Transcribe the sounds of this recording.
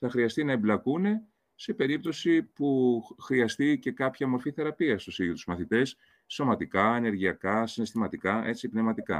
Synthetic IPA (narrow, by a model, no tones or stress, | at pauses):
θɐxɾiɐst̪inɐeblɐkune̞ | se̞pe̞ɾip̚t̪o̞sipuxɾiɐst̪ice̞kɐpçɐmo̞ɾfiθe̞ɾɐpiɐst̪usiiot̪uzmɐθit̪e̞s | so̞mɐt̪ikɐene̞ɾʝiɐkɐsine̞st̪imɐt̪ikɐe̞t͡sipnevmɐt̪ikɐ̰